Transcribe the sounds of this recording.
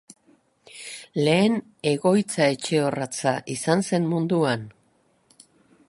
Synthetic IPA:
le̞ːn | e̞ɣo̞jt͡sae̞t͡ʃe̞o̞rat͡saʔisanse̞nmund̪uan

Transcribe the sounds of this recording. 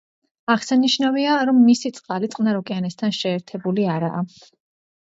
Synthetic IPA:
aʁsaniʃnaviaɾɔmːisit̪sʼqʼalit̪sʼqʼnaɾɔkʼɛanɛst̪ʰanʃɛːɾt̪ʰɛbuliaɾa̰ː

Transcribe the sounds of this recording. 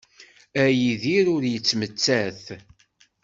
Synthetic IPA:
æjiðiɾʊɾjət͡sːmət͡sːæθ

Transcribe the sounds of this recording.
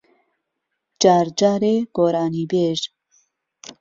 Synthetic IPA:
d͡ʒaːɾd͡ʒaːɾeɡ̥oːɾaːniːbeːʒ

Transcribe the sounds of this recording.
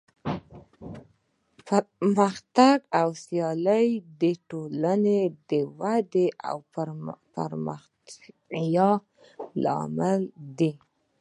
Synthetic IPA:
pməxt̪aɡawsjɑləjd̪əʈolaned̪əwad̪eʔa̰wpəɾ̰ | jɑː | ɑ̰məld̪i

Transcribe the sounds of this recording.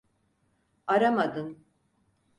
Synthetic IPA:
aɾamad̪ɯn

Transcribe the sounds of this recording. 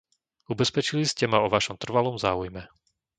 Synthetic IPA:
ubɛspɛt͡ʃiliscɛmaɔʋaʃɔmt̪r̩ʋalɔmzaːujmɛ

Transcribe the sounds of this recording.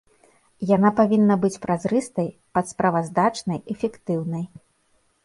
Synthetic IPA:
janapavʲinːɐbɨt͡sʲpɾʔazɾɨst̪ɐjpɐt̪spɾavɐzd̪at͡ʂnɐjɛfʲɛkt̪ɨwnɐj

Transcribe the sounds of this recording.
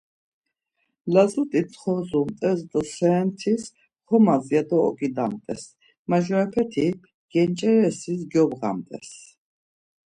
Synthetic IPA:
lazut̪ʼisʰʼχɔzumt̪ʼɛsd̪sɛːnt̪ʰis | χɔmaziad̪ɔɔ̰kʼid̪amt̪ʼɛs | maʒɾapʰɛt̪ʰi | ɡ̥ɛnt͡ʃʼɛɾɛsis̬ɡjɔbʁa̰mt̪ʼɛ̰s

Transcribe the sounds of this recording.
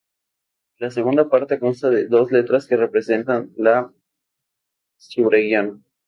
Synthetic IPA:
laseɣ̞und̪apaɾt̪ekonst̪aðe̞ðo̞zle̞t̪ɾaske̞re̞pɾe̞se̞nt̪anla | suβɾeɣjana

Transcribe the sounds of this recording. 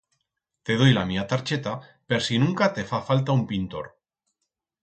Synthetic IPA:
t̪e̞ð̞ojlamiat̪aɾt͡ʃe̞t̪ape̞ɾsinũŋkat̪e̞fafalt̪aumpint̪o̞̰ɾ

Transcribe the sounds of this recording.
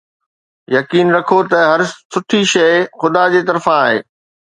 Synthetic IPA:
jɐkiːnɾɐkʰot̪ɐɦɐɾsʊʈʰiʃɐɪxʊd̪ad͡ʑeːt̪ɐɾfãaːɦḛː

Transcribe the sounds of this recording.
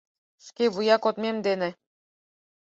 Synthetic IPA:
ʃkeβujɑkot̪mʲemd̪enĕ

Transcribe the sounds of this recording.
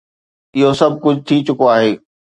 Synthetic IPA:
ɪɦosɐb̚ʱkʊd͡ʑʱt̪ʰit͡ɕʊkoaːɦeː

